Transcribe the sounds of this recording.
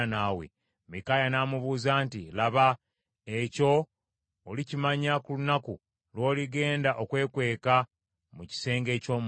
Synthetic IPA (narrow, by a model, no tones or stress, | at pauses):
nawḛ | mikajanaːmuβuːzaːntilaβa | eco̞ː | licimaɲakulunaku | lwo̞ːliɡe̞ːndaʔo̞kwe̞ːkwe̞ːka | muci̥se̞ːŋɡe̞ːco̞ːm